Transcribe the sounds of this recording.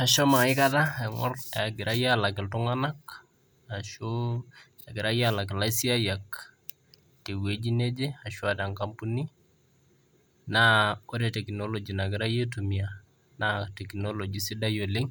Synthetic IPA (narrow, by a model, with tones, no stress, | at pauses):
a˨ʃɔ˦ma˨ɪ˦ka˦ta˦ɛ˨ŋɔ̰˦raɡɪ˨ɾʔa˦ja˦la˨kɪ˨ltu˦ŋana˦k | aʃo | a˨ɡɪ˨ɾa˦jala˨k̬ɪ˨la˦isi˦a˦ja˨k | te˨we˦d͡ʒi˦ne˦d͡ʒe˦a˨ʃu˦ata˨ŋkampu˦ni˦ | naoɾɛtɛ˨knolod͡ʒi˨na˨ɡɪ˨ɾa˦je˦tomi˨a | natɛknolod͡ʒi˨si˦da˦jolɪ˦ŋ